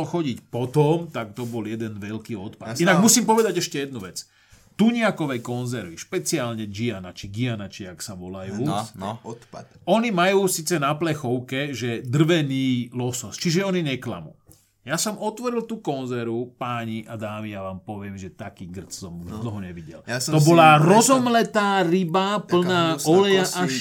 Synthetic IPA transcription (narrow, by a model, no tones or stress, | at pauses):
lxɔɟicpɔt̪ɔmt̪akt̪ɔbɔljɛd̪ɛnʋɛʎkiːɔt̪patinaɡmusiːmpɔʋɛd̪aɟɛʃcɛjɛd̪̚nuʋɛt͡s | t̪uɲɪakɔʋɛjkɔnzɛɾʋiʃpɛt͡siaːlɲɛd͡ʒianat͡ʃiɡianat͡ʃɪaksaʋɔlajuː | ɔɲimajuːsit͡sɛnaplɛxɔʊkɛʒɛd̪r̩ʋɛniːlɔsɔst͡ʃiʒɛɔniɲɛkla̰mṵː | jasɔmɔt̪ʋɔɾilt̪uːkɔnzɛɾupaɲiʔad̪aːʋijaʋaːmpɔʋɪɛmʒɛt̪akiːɡr̩t͡ssɔmuʒd̪l̩ɦɔɲɛʋiɟɛ̰lɔbɔlaɾɔzɔmlɛt̪aːɾibapl̩naːɔlɛjaʔa